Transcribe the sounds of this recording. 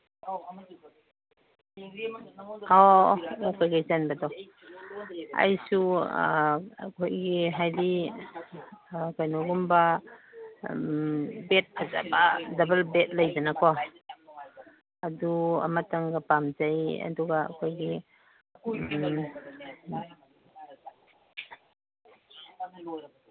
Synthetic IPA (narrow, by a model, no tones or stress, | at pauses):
ɔɔkʰojkajzanbadɔ | a̰jsu | kʰojɡiɦajli | kajnuɡumba | bet̚kʰaza̰badɐbɐl̚bet̚lajdanakʰɔ | adua̰mataŋɡapamd͡ʒaja̰duɡa̰kʰojɡi